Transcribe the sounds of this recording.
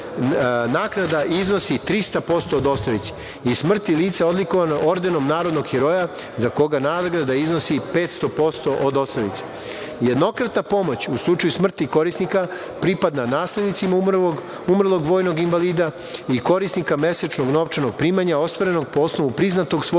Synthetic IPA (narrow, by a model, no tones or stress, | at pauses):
naːknad̪aʔizno̞sit̪ɾist̪apo̞st̪oːd̪o̞st̪oʋit̪se̥ | ismr̩t̪iliːt̪sao̞d̪likoʋanoo̞ɾd̪eno̞mnaːɾod̪noɡxiɾo̞ja | zako̞ɡanaːd̪ɡɾad̪aiznosipeːt̪st̪o̞post̪o̞ʔod̪o̞st̪oʋḭt̪se̥ | je̞d̪no̞kɾat̪napo̞mo̞t͡ɕuslˠut͡ʂajusmr̩t̪iko̞ɾisnika | pɾipad̪nanaːsled̪nit̪sima | umr̩lˠo̞ɡʋo̞ːjno̞ɡinvaliːd̪a | iko̞ɾisnikame̞set͡ʂnoɡno̞ʋt͡ʂanoɡ̚pɾiːmaɲao̞st̪ʋaɾe̞no̞ɡ̚poosnoʋupɾiznat̪o̞ɡso